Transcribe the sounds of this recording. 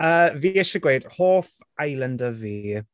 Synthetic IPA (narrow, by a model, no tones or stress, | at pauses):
əːviːɛʃəɡwejd̥hoːθ | ajlˠəndəviː